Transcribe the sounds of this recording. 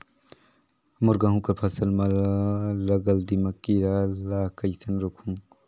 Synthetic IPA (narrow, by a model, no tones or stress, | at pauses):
mʊɾɡaɦũkɐɾpʰɐsəlmɐllɐɡɐld̪imɐkːiɾalaːkɐjsɐnɾukʰũŋ